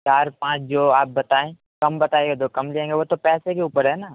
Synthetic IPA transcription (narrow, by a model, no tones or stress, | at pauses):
t͡ʃaːɾpãːt͡ʃʰd͡ʒoːaːp̚bɐt̪aːẽ | kɐmbɐt̪aːeɡed̪okɐmliẽːŋɡeʋot̪opɛːsekeuːpəɾɦɛːnaː